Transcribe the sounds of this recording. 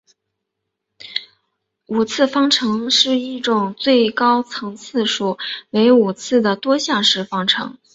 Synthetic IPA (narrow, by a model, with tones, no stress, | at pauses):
u˨˩t͡sʰɹ̩˥˩fɑ˥ŋʈ͡ʂʰɤ˧˥ŋʂɻ̩˥˧i˥˩ʈ͡ʂʊ˨˩ŋt͡swe˥˩ɪkɑ˥ʊt͡sʰɤ˧˥ŋt͡sʰɹ̩˥˧ʂu˨˩we˧˥ɪu˨˩t͡sʰɹ̩˥˩d̪ə˩t̪wɔ˥ɕjɑ˥˧ŋʂɻ̩˥˩fɑ˥ŋʈ͡ʂʰɤ̰˧˥ŋ